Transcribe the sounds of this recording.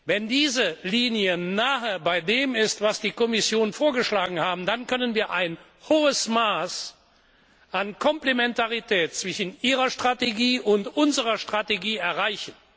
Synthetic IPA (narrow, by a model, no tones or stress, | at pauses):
vɛndiːzəliːnjənaːɦəbaɪdeːmɪstv̥asd̥iːkɔmɪsjoːnnfoːɐɡəʃlaːɡŋ̩haːbm̩dankʰœnənviːɐʔaɪn | hoːəsmaːs | ʔankʰɔmplemɛntaʁitʰɛːt̚t͡sv̥ɪʃn̩ʔiːʁɐʃtʁ̥ateɡiːʔʊntʔʊnzəʁɐʃtʁ̥ateɡiːɛɐʁaɪçən̩